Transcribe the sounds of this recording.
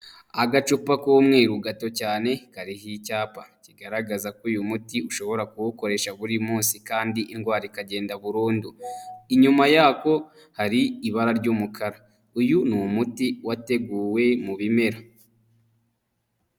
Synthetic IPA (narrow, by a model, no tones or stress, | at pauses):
aɡat͡ʃupakumŋe̞ːɾuɡato̞caːne̞kaɾiɦicaːpaciɡaɾaɡazakujumutiuʃo̞βo̞ɾakuβuko̞ɾe̞ʃaβuɾimuːnsikaːndiʔinɡwaːɾikaɟe̞ːndaβuɾuːnduiɲumajaːko̞ | haɾiiβaɾaɾɟuːmukʰaɾa | ujunumutiwate̞ɡuːwe̞muβime̞ɾa